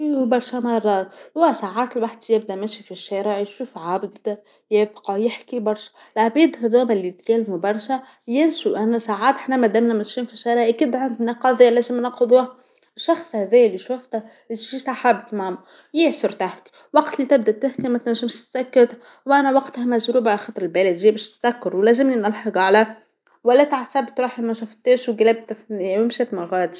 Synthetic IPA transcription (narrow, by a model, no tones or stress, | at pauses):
bɑɾˤʃæmɑrˤːɑːt̪wæsaːʕaːt̪ɪlwaħd̪jɪbd̪æʔmæʃifiʃːæːɾɪʕjʃuːfʕabd̪ | jæːbqɑjɪħkibɑɾˤʃæ̥lʕabiːd̪hæðuːmælːit̪kælːmubɑɾˤʃæ | jɪnsuʔænæsaʕaːt̪ħnæmæd̪æmnæmæʃiːnfiʃːæːɾɪʕʔækiːd̪ʕand̪nɑqɑðˤɪjːlæːzɪmnɑqʊðˤuːh | ʃːɑxsˤhæðæjæliʃoft̪æ | ʒiːt̪æħabt̪maʕmu | jeʕsʊɾt̪ahk | wɑɡt̪liːt̪ɪb̚d̪æʔt̪ːæhkæmæt̪næʒɪmʃt̪sækːæt̪ | wʔænæwɑɡt̪hæmæʒɾuːbʕlxɑt̪ˤɾɪlbæːlɪd̪ʒiːbæʃt̪sækːɑɾwlæzɪmninɑlħɑɡalæ | wælːæt̪ʕasæbt̪ɾˤɑːħʔemæʃʊft̪eːʃwɡælæb̚t̪æθnɪjːæmɪmʃæt̪mɑlɣæːd̪ʃ